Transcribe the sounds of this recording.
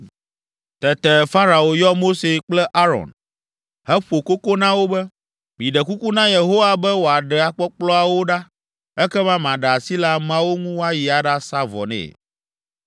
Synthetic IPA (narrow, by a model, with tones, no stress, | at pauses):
t̪ɛ˨t̪ɛ˨fa˦ɾa˨o˨jɔ˦mo˦se˨k͡plɛ˦ʔa˦ɾɔ̰˨n | hɛ˦ɸo˨ko˦ko˦nã˦wo˦bɛ˦ | mĩ˨ɖɛ˨ku˦ku˦nã˦je˨ɦo˦wa˨bɛ˦wo˨a˨ɖɛ˨a˨k͡pɔ˦k͡plɔ˦a˨wo˦ɖa˦ | ɛ˦kɛ˦mã˦mã˨ɖɛ˨a˨si˦la˦mã˦wo˦ŋũ˦wa˦ji˨a˨ɖa˦sa˦vɔ̰˨nɛ̰̃˨